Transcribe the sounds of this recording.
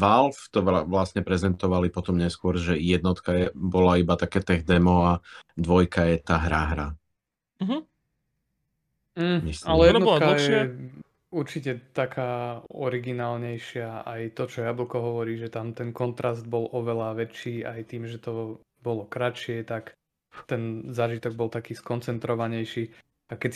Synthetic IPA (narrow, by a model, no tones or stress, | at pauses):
ʋalft̪ɔaʋlasɲɛpɾɛzɛnt̪ɔʋalipɔt̪ɔmɲɛskʊɔɾʒɛjɛd̪nɔt̪kajɛbɔlaibat̪akɛːt̪ɛɣd̪ɛmɔad̪ʋɔjkajɛt̪aːɦɾaɦɾa̰ | ɦ̩ | ɲɛsalɛjɛd̪nɔkkajɛa | uɾt͡ʃicɛt̪akʰaːɔɾiɡinaːlɲɛjʃɪaajt̪ɔt͡ʃɔjabl̩ˠkɔɦɔʋɔɾiːʒɛt̪amt̪ɛnkɔnt̪ɾazd̪̚bɔlɔʋɛlaʋɛt͡ʃːiːajt̪iːmʒɛt̪ɔ | bɔlɔkɾat͡ʃɪɛt̪ak | t̪ɛnzaːʒit̪ɔɡ̚bɔlt̪akiːskɔnt͡sɛnt̪ɾɔʋaɲɛjʃiː | akɛ